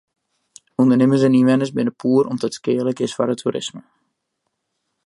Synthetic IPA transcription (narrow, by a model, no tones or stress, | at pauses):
undərnɪməzɛniʋɛnəsbɪnəpʰuːəɾɔmdɔtskɪːləkɪsfɔ̰ɾətʰuɾʔɪ̰smə